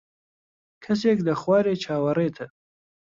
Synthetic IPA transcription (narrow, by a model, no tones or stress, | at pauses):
kʰɐseːklɐχwaːɾeːt͡ʃʰaːwɐreːt̪ʰə